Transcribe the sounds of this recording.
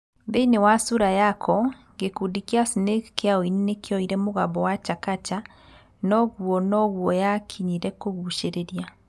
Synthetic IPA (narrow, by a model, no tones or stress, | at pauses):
beinewasuɾajakʰɔ | ɡekudikiasinekkeaoininekʰeɔiɾɛmoɣaβɔwat͡ʃakat͡ʃa | nɔɣuɔnɔɣuɔjakʰiɲiɾɛkoɣuʃeɾeɾia